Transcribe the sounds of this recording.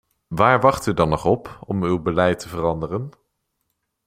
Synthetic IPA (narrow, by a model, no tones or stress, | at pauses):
ʋaːɹʋɑχtydɑnɔχɔpɔmywbəlɛjtəvərɑndərən